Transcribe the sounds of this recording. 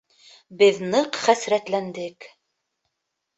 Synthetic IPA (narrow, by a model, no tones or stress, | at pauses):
bɘðnɤqχæsɾæt̪lænd̪ɘk